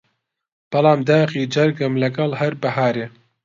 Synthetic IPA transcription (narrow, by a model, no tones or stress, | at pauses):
b̥ɐlaːmd̪aːχiːd͡ʒɐɾɡɨmlɐɡɐlhɐɾbɐɦaːɾeː